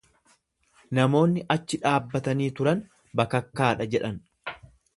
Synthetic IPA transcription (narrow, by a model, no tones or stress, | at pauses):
nɐmo̞ːnːɪʔɐt͡ʃːɪᶑaːbːɐt̪ɐniːt̪ʊɾɐn | bɐkɐkːaːᶑɐd͡ʒɛᶑɐn